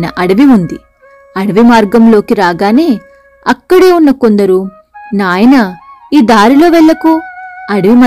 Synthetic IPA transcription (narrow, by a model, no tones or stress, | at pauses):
nɐʔɐɽɐʋiund̪i | ɐɽɐʋimaːɾɡɐmlo̞ːkiɾaːɡaːneː | ɐkːɐɽeːunːɐko̞nd̪ɐɾu | naːjɐnɐiːd̪aːɾilo̞ːʋɛɭːɐkuɐɽɐʋimɐ